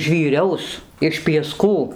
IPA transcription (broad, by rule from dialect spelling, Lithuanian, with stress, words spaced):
ʒʲʋʲiːˈrʲɛʊs ɪʃ pʲiɛˈskuː